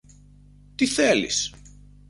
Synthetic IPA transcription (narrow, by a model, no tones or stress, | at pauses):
t̪iθelḭs